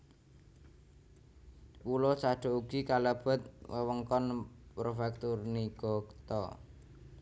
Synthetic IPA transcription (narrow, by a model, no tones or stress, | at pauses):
pulɔsaɖ̥ɔ̤uɡ̥ikaləb̥ɔ̤t̪̚wəwəŋkɔnpɾofɛkt̪urniɡ̥ɔɡt̪ɔ̰